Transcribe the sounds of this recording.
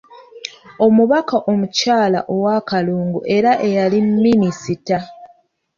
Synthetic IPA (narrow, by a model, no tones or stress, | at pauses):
o̞muβakaʔo̞mucaːla̰ʔo̞waːkaluːŋɡuʔe̞ɾaʔe̞jalimːinisita